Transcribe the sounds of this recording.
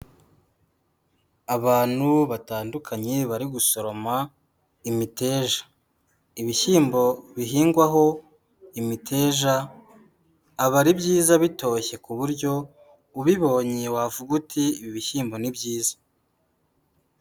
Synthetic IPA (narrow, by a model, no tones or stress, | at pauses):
aβaːn̥huβataːndukʰaɲeβaɾiɡuso̞ɾo̞ma | imite̞ːʒḁ | iβiçiːmbo̞βiɦiːŋɡwaɦo̞ | imitʰe̞ːʒa | βaɾibɟiːzaβito̞çe̞kuβuɾɟo̞ | uβiβo̞ːɲewavuɡutʰiβiβiçiːmbo̞nibɟiːzḁ